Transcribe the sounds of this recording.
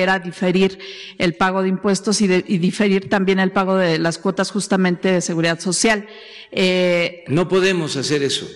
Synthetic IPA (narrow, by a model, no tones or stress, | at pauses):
eɾaðife̞ɾiɾelpaɣ̞o̞ðeimpwe̞st̪o̞siðeʔiðife̞ɾiɾt̪ambje̞ne̞lpaɣo̞ðelaskwo̞t̪asxust̪amẽ̞nt̪eðe̞se̞ɣuɾiðaðso̞sjal | eno̞po̞ðe̞mosase̞ɾeso̰